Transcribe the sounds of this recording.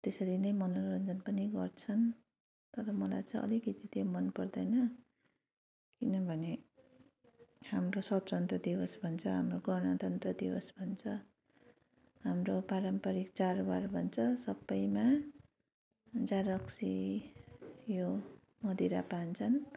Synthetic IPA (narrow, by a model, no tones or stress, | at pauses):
t̪esʌɾinʌjmʌnʌrʌnd͡zʌnpʌniɡʌrt͡sʰʌn | t̪ʌɾʌmʌla̰jt͡sʌĩʔʌ̰likit̪it̪omʌnpʌrd̪ʌjnʌ | kinʌbʱʌne | hamrosʌtt͡sʌnt̪rʌd̪ibʌsbʱʌnt͡sʰʌɦamroɡʌɽñʌt̪ʌnt̪rʌd̪ibʌsbʱʌnt͡sʰʌ | ɦamropaɾʌmpaɾikt͡sarbarbʱʌnt͡sʰʌsʌbːʌjma | d͡zaɾʌksi | jo | mʌd̪iɾa̰pant͡sʰʌn